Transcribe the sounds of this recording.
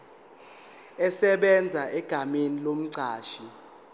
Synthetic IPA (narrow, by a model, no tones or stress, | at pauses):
ɛsɛɓɛnd͡zʱaʔɛɡ̥ʱamenilom̩ǀʱaːʃi